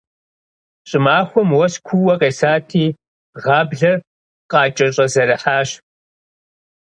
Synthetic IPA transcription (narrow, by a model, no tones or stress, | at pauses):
ɕʼɪmaːxʷʊmwɐskʷʰuwɐqʼeːsaːtʰiː | ʁɑːbɮɐ | qʼɑːt͡ʃʼɐɕʼɐzɐɾɐħaːɕ